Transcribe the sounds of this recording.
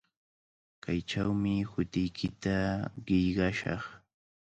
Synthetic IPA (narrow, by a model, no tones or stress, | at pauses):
kajʈ͡ʂawmɪhʊt̪ɪjkʰɪt̪aɢɪjɢɑʃɑ̰χ